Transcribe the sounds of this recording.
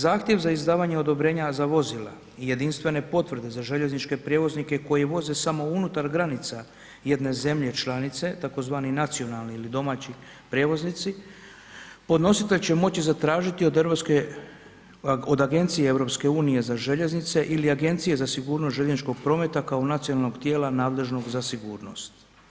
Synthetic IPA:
zaːxt̪je̞ʋzaizd̪aːʋaɲeo̞d̪o̞bɾe̞ːɲazaʋo̞zila̰ | ije̞d̪inst̪ʋe̞ne̞po̞t̪ʋr̩d̪e̞zaʒe̞ʎe̞znit͡ʃke̞pɾje̞ʋo̞znike̞ko̞jeʋo̞ze̞samo̞unut̪aɾɡɾanit̪sa | je̞d̪ne̞ze̞mʎe̞t͡ʃlanit̪se̞t̪ako̞zʋaːninat̪sio̞nalniilid̪o̞maːt͡ɕi | pɾʲjeʋo̞znit̪si | po̞d̪no̞sit̪e̞ʎʲt͡ɕe̞mo̞t͡ɕizat̪ɾaːʒit̪iod̪eoske | od̪aɡe̞nt̪sijeevɾo̞pske̞uːnije̞zaʒe̞ʎe̞znit̪se̞ʔiliaɡe̞nt̪sije̞zasiɡuːɾnost̪ʒeʎeznit͡ʃko̞ɡ̚pɾo̞ːme̞t̪akaonat̪sionalˠnoɡt̪je̞ːlanaːd̪le̞ʒno̞ɡzasiɡuːɾno̞̰st̪

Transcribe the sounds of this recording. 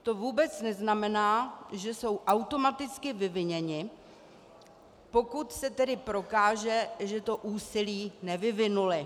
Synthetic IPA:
t̪o̞vuːbɛt͡snɛznamɛnaːʒɛso̞wʔawt̪o̞mat̪ɪt͡skɪvɪvɪɲɛɲɪ | po̞kut̪sɛt̪ɛdɪpɾo̞kaːʒɛʒɛt̪o̞ʔuːsɪliːnɛvɪvɪnulɪ

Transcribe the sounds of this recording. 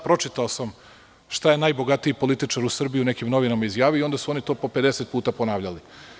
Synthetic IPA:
pɾo̞t͡ʂit̪aosam | ʃt̪aje̞najbo̞ɡat̪iipo̞lit̪it͡ʂaɾusr̩bijiune̞kimno̞ʋinamaizjaːʋijoio̞nd̪asuo̞nit̪o̞ːpo̞pe̞d̪eset̪̚puːt̪apo̞naːʋʎali

